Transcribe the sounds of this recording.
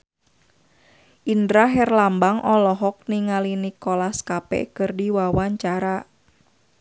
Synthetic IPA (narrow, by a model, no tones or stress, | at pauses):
ʔindɾaɦɛrlambaŋʔɔlɔɦɔk̚niŋalinikɔlaskapɛ̰kɨrdiwawaɲt͡ʃaɾa